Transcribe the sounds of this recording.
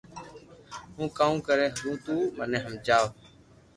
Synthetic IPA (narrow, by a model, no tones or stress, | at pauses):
ɦũːkaːũːkəɾeːɦũːt̪uːmənẽːɦəmd͡ʒaːʋ